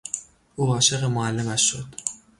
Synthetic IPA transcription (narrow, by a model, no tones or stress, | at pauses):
ʔuːɒːʃe̞ɣemoælːe̞mæʃːo̞d̪̥